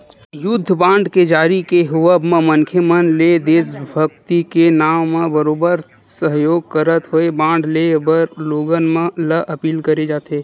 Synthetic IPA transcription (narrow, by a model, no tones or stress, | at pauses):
jʊd̪ʱːbãːɳɖked͡ʒaːɾikeɦʊʋəbmẽmənkʰəmənled̪eːsbʱəkt̪ikenaːmːẽbəɾoːbəɾ | səɦjoːɡ̚kəɾət̪ɦoebãːɳɖlebəɾloːɡənmẽləʔɐpiːlkəɾed͡ʒaːt̪eː